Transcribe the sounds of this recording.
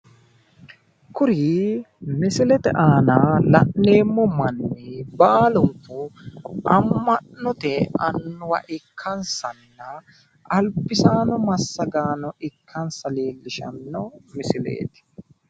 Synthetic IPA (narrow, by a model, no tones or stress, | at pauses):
kʊɾi | mɪsɪlɛt̪ɛ̰ʔaːnalɐʔːeːmːɔmɐnːɪbaːlʊŋkːʊ | ɐmːɐɔt̪ɛɐnːʊwɐ̰ʔɪkʰːɐnsɐnːɐ | ɐlbɪsaːnɔmɐsːɐɡaːnɔɪkʰːɐnsɐleːlːɪʃɐ̰nːɔmɪsɪlḛːt̪ɛ̥